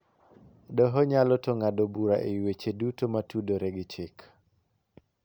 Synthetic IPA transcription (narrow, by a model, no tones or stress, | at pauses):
dɔɦɔɲalɔtɔŋadobuɾaʔewet͡ʃedutomatudoɾeɡɪt͡ʃɪk